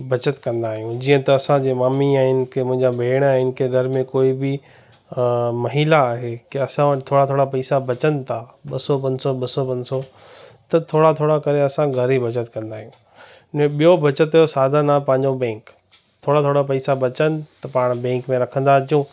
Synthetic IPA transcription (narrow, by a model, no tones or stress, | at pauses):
bʱɐt͡ɕət̪kɐ̃nd̪aːɦijũd͡ʑiːə̃t̪ɐːsãd͡ʑeːmaːmiãɦɪnɪ̆kʰemʊ̃ɦɪ̃ɲd͡ʑabʱeːɽ̃ɛɪnɪ̆kʰeɡʱɐɾmẽkoːibɪ | mɐɦilaːɦekiɐsãt̪ʰoːɽat̪ʰoːɽapɐːsabɐt͡ɕənɪ̆t̪ʰaɓɐsɔpɐ̃ɲsɔɓɐsɔpɐ̃ɲd͡ʑso | t̪ɐt̪ʰoːɽat̪ʰoːɽakɐɾeɐsãɡʱɐɾibʱɐt͡ɕət̪kɐ̃nd̪aːɦijũ | nẽɓijobʱɐt͡ɕət̪ɦɐjosaːd̪ʱanapɐ̃ɦɪ̃ɲd͡ʑobɛ̃ːŋk | t̪ʰoːɽat̪ʰoːɽapɐisabɐt͡ɕənɪ̆t̪ɐpaːɽ̃bɛ̃ːŋkmẽɾɐkʰə̃nd̪at͡ɕijũː